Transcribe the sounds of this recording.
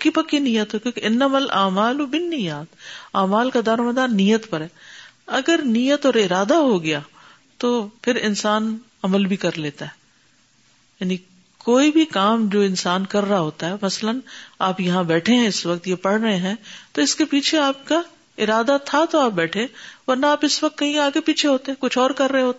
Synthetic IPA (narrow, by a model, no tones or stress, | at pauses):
pkːipɐkːinijːət̪ɦokjõːkeʔɪnːəmɐlʔaːmaːlʊbɪnːɪjaːt̪aːmaːlkad̪aːɾmɐ̃d̪aːnijət̪pɐɾɦɛː | ɐɡəɾnijət̪ɔːɾɪɾaːd̪aɦoɡɐjaː | t̪oːpʰɪɾɪnsaːn | ɐməlbʱikɐɾleːt̪aɦɛː | jaːni | koːibʱikaːmd͡ʒoːɪ̃nsaːnkɐɾːaɦoːt̪aɦɛːmɐslənaːpjɐɦãbɛːʈʰeɦɛ̃ɪsʋɐk̚t̪jepɐɽɾɐɦeɦɛ̃t̪oɪskepiːt͡ʃʰeaːp̚ka | ɪɾaːd̪at̪ʰat̪oaːp̚bɛːʈʰẽʋɐɾnaaːpɪsʋɐk̚t̪kɐɦĩaːɡepiːt͡ʃʰeɦoːt̪eɦɛ̃kʊt͡ʃʰɔːɾkɐɾːɐɦeɦoːt̪e